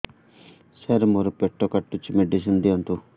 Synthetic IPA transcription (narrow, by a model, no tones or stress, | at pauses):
sɐɾmoɾupeʈːoːkɐʈːut͡ʃːimeɖisind̪iɐɳʈu